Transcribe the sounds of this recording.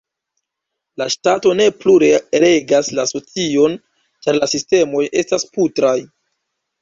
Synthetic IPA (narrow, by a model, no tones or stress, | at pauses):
laʃtato̞ne̞pluɾe̞ɾe̞ɡaslaso̞t͡sio̞n | t͡ʃaɾlasiste̞mo̞je̞stasputɾaj